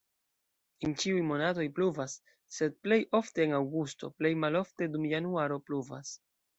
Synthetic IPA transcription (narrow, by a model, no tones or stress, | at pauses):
ent͡ʃiujmo̞nat̬o̞jpluvasː | e̞d̚ple̞jʔo̞fte̞ːnawɡusto̞̰ple̞jmalo̞fte̞dumjanuaɾo̞pluva̰s